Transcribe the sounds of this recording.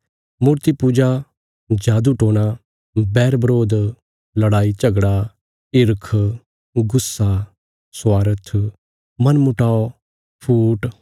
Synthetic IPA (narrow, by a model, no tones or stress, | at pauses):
muːɾt̪ipuːd͡ʒa | d͡ʒaːd̪uʈoːña | bɛːɾbəɾoːd̪ | lɐɽaːit͡ʃɐɡɽa | ɪɾkʰ | ɡʊsːa | swaːɾət̪ʰ | mɐnmʊʈaːo | pʰuːʈ